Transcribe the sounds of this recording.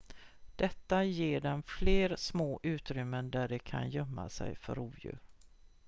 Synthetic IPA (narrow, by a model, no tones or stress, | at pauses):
d̪̥ɛt̪ːajeːɖɛnfleːɾsmoːʔʉ̟ːt̪ɾʏmːənd̪æɖɛkʰa̰njœmːa̰sɛ̰jfœɾuːvjʉ̟̰ːɾ